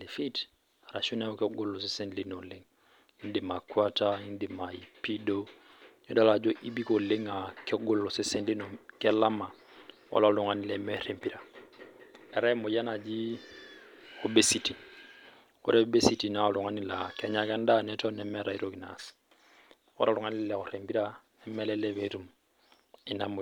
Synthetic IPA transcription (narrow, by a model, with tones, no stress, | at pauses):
li˨fi˦t | a˨ɾa˨ʃu˦nɛ˦ɔ˦kɡo˦lːɔ˨s̬e˦sɛ˦nli˦no˨le˦ŋ | i˦n˦di˨ma˨kwa˦ta˦i˦ndi˨ma˨i˨pi˦do˦ | ɲɔ˦da˦la˨d͡ʒɔ˦ʔi˦bi˦ko˨le˦ŋa˨kɛ˦ɡo˦lːɔ˨se˦sɛ˦nli˦nɔ˨kɛ˦la˦ma˨ | ɔ̰˦la˨lʊ˨ŋa˨ni˨lɛmɛɾempiɾa˨ | ɛ˨ɾɛ˦mɔ˨ja˦na˨d͡ʒi˦ | o˦be˦si˨ti˨n | ɔ̰˦ɾɛ˦ɔ˦be˦si˦ti˨na˦˨lʊ˨ŋa˦ni˨la˨kɛ˨ɲa˨kɛ˦n˦da˦nɛ˦tɔ˦nɛmɛ˨ɾa˨i˦ɾoki˨na̰s | ɔ̰˦ɾa˨lʊ˨ŋa˦nɪ˦llɛ˨ɔ˨ɾe˨mpi˦ɾa˦ | ɛ˦mɛ˦lɛ˦lɛβe˨˦ɾu˨m | ɪ˦na˦m˨